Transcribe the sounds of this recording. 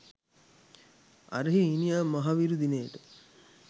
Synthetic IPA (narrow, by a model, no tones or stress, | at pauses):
a̰ɾəɦiinijaːmaɦaʋiɾud̪inejʈə